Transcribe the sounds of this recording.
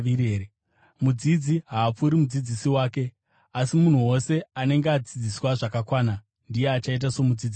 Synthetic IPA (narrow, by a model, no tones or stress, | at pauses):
iɾeɾe | mud͡zid͡ziɦaːp͡fuɾimud͡zid͡zisiwaːke̞ | asimun̤uwo̞se̞ane̞ŋɡead͡zid͡ziswaʐakakwaːna | ndijeat͡ʃait̬asomud͡zid͡zi